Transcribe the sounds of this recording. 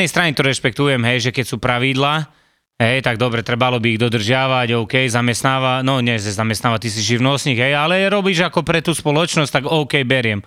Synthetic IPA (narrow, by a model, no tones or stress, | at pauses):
nɛjst̪ɾaɲit̪ɔɾɛʃpɛkt̪ujɛmɦɛjʒɛkɛcsuːpɾaʋid̪laː | ɦɛjt̪aɡ̚d̪ɔbɾɛt̪ɾɛbalɔbiːɣd̪ɔd̪r̩ʒɪaʋaɟɔʊkɛjzamɛst̪naːʋanɔɲɛzɛzamɛst̪naːʋat̪is̬iʒiʋnɔsɲiɣɦɛjalɛɾɔbiːʒakɔpɾɛt̪uːspɔlɔt͡ʃnɔs̚ʲt̪aɡɔʊkɛjbɛɾɪɛm